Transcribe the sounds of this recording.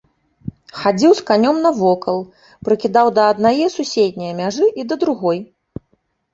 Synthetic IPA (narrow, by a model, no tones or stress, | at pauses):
xad͡zʲiwskanʲɔmnɐvɔkɐlˠ | pɾɨkʲid̪awd̪ɐːd̪najɛsusʲed̪ʲnʲijɐmʲaʐɨʔid̪ɐd̪ɾuɣɔj